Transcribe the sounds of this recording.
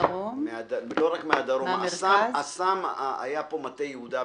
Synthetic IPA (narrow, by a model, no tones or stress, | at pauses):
ommead̪aloʁakmead̪aʁomsaasama̰japo̞mat̪ejehud̪a